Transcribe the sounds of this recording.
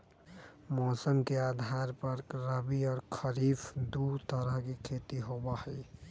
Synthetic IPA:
mɔsəŋkead̪ʱaɾpəɾkɾəbiɔːɾkʰəɾipʰd̪ut̪əɾəɦkekʰet̪iɦobahəj

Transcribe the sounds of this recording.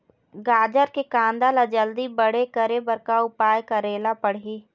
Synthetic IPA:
ɡaːd͡ʒəɾkekãːnd̪alad͡ʒəld̪ibəɽekəɾebəɾkaʊpaːjkaɾeːlapəɽ̤iː

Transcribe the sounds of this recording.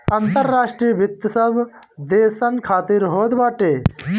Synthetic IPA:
ɐnt̪ɐɾːaːʂʈɾijəbʱɪt̪ːɐsɐb | d̪eːsɐnkʰaːt̪iɾɦoːd̪baːʈeː

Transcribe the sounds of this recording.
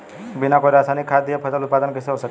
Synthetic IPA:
binakoiɾasaːnikʰːad̪ijəpʰɐsəlʊt̪̚paːd̪ənkɪseɦosək

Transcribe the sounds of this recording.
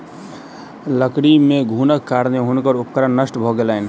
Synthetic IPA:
ləkɽimeɡʱunəkːaɾneɦunkəɾupkəɾənːəsʈbʱɔɡelən

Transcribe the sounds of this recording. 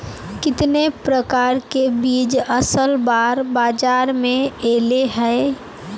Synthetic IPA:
kɪt̪nepɾəkaːɾkebiːd͡ʒɐsəlbaːɾbaːd͡ʒaːɾmẽeːleɦɛe

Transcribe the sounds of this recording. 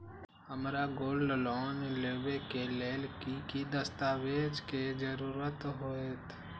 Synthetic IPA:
ɦəmɾaɡoːlɖlɔːnleːbekeleːlkikid̪əst̪aːweːd͡ʒked͡ʒəɾuːɾət̪ɦoet̪

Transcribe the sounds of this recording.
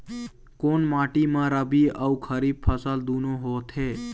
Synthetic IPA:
konmaʈimãɾəbiəukʰəɾib̚pʰəsəld̪unõɦot̪ʰe

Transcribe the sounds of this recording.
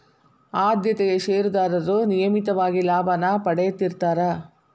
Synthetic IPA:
aːd̪jɐt̪eɡeʃeːɾud̪aːɾɐɾunijɐmit̪ɐʋaːɡilaːbʱɐnɐpɐɽejɐt̪ːiɾt̪aːɾɐ

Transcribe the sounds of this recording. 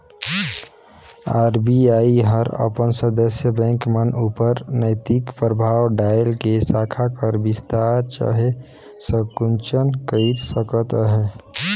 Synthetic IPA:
aɾbiaiɦəɾə̰pənsəd̪əsjəbɛ̃ŋkmənupəɾnəɪt̪ikpɾəbʱawɖajlkesakʰakəɾbist̪aɾt͡ʃa̰ɦe | səkunt͡ʃənkəit̪səkət̪ɦɛ

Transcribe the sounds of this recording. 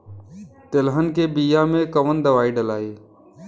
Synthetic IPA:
t̪ɪlɦənkeːbiːjamẽkəʋənd̪əʋaːiːɖəlaːiː

